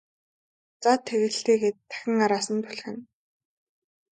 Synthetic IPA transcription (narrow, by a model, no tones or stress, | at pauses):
t͡sat̪ʰːeɣɘ̆ɬiːɡeːt̪ʰːæ̥xʲɪ̆ŋaɾaːsə̆nt̪ʰʊɮ̆xɘ̆n